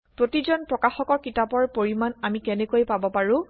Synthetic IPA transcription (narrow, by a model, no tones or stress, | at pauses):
pɹotizɔnpɹɔkaxɔkɔɹkitapɔɹpoɹimanamikɛnɛkojpabɔpaɹʊ̃